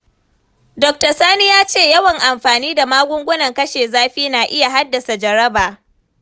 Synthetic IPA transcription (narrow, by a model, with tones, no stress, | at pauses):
dɔ˨k̚tɐ˨saː˦ni˦jaː˦t͡ʃeː˦˨jɐ˦wɐ˨ŋʔa˨mɸaː˨niː˦da˨maː˦ɡʷʊ˦ŋɡʷʊ˦nɐ˨ŋkɐ˦ʃeː˨zaː˦ɸiː˦naː˨ʔɪ˦ja˨ɦa˦dːɐ˨sa˨d͡ʒɐ˨ɾɐ˦baː˨